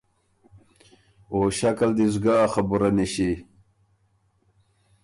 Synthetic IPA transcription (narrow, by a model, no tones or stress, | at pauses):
oɕakald̪izɡaːχabuɾaneɕi